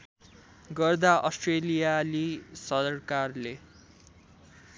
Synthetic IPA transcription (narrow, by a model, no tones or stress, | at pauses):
ɡʌrd̪aʔʌsʈrelijalisʌrkarle